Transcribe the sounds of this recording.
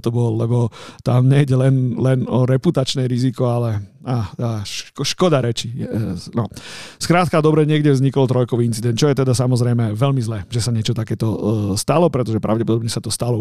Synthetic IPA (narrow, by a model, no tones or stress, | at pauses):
t̪ɔbɔllɛbɔt̪amɲɛjɟɛlɛnlɛnɔɾɛput̪at͡ʃnɛɾizikɔalɛaːt̪aːʃʃkɔd̪aɾɛt͡ʃijɛnɔskɾaːt̪kad̪ɔbɾɛɲɪɛɡɟɛʋvzɲikɔlt̪ɾɔjkɔʋiint͡sid̪ɛnt̪t͡ʃɔjɛt̪ɛd̪asamɔzɾɛjmɛʋɛlmizlɛʒɛsaɲɪɛt͡ʃɔt̪akɛːt̪ɔst̪alɔpɾɛt̪ɔʒɛpɾʔaʊɟɛpɔd̪ɔbɲɛsat̪ɔst̪alɔ